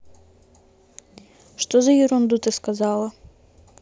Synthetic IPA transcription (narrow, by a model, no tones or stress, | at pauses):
ʂt̪ozɐjɪɾʊnd̪ut̪ɨskɐzɑlˠɐ